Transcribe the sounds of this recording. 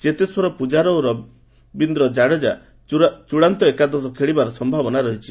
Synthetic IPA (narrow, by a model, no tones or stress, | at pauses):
d͡ʒet̪eswɔɾɔpud͡ʒaɾɔɾɔ | bind̪ɾɔd͡ʒaɽed͡ʒa | t͡ʃuɽant̪ɔekad̪ɔsɔkʰeɭibaɾɔsɔmbʱabɔnaɾɔɦit͡ʃʰi